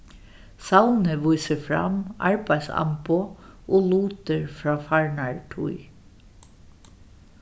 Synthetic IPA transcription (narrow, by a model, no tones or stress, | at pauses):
sawnəʋujsəfɾa̰mɑ̰ɹbæjsɑ̰mpʊʔoːluːt̪əɹfɾɑːfaɹɳaɹʈʰṵj